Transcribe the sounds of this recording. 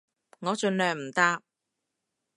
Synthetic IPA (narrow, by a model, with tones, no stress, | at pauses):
ŋɔː˨˧˥t͡ʃɵ˧nlœː˨ŋm̩˨˩t̪aː˧˥p̚